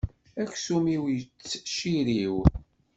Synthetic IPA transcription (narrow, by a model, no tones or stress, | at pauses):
æçsumiwjət͡sːʃiɾiw